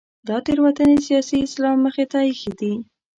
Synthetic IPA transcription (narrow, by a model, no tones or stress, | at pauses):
d̪ɑt̪eɾwat̪ənesijɑsiɪslɑmːəxet̪ajixid̪i